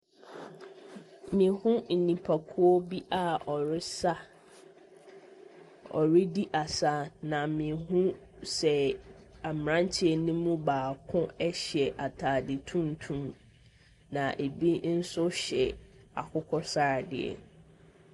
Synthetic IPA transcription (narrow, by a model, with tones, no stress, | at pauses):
mĩ˨˦hʊ̃˦n̩˨nĩ˨pʰa˨kʰʊ˦ɔ˦bi˦ʔa˦ɔ˨ɾɪ˦sa˦ | ɔ̰˨ɾɪ˦di˦ʔa˨sa˦nã˨mĩ˨ɦũ˦ | sɛ˨a˨m˨ɾã˦n˦tʰɪ˦ɛ˨nĩ˦mũ˦baː˨kʰʊ̃˦ɛ˦ɕɛ˨ʔa˨tʰaː˨dɪ˨tʰũ˦n˨tʰũ˦m | nã˨ʔe˨bi˦n̩˦sʊ˦ɕɛ˨ | a̰˨kʰʊ˦kʰɔ˦saː˦˨dɪ̰˨ɛ̰˨